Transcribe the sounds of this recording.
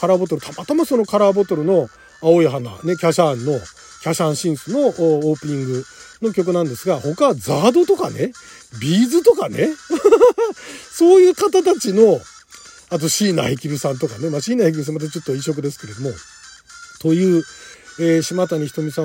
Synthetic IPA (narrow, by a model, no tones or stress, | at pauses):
kaɾaːbo̞t̪o̞ɾɯ̟t̪ʰamat̪amaso̞no̞kaɾaːbo̞t̪o̞ɾɯ̟no̞ | ao̞iɦana̰ne̞kʲaɕãnːo̞ | kʲaɕãɰ̃ɕĩɰ̃sɨno̞ːpɯ̟ɲ̟ĩŋɡɯ̟no̞kʲo̞k̬ɯ̟nãnd̪e̞sɨɡaho̞kad͡zaːd̪o̞t̪o̞ka̰ne̞ | bʲiːzɨt̪o̞kane̞ | so̞ːjɯ̟ːkat̪at̪at͡ɕino̞ | at̪̬o̞ɕiːna̰ikʲibɯ̟sãnt̪o̞kane̞maɕiːnaik̬ʲibɯs̬ãmat̪at͡ɕo̞t̪ːo̞iɕo̞k̬ɯ̟d̪e̞sɨ̥ke̞ɾe̞d̪o̞mo̞ | t̪o̞jɯ̟ːeːɕimat̪aɲ̟içi̥t̪omʲisã